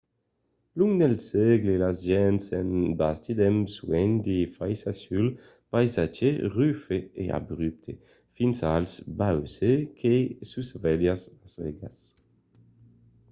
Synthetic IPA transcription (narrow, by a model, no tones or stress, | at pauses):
luŋnelsɛɡlelazʒɛnsɛnbast̪id̪ɛmswɛnd̪ifajsasyl | pajzad͡ʒeʁyfeḛa̰bʁyp̚t̪ʰe | finsalsbawsekʰesusvɛljasazvɛ̰ɡa̰s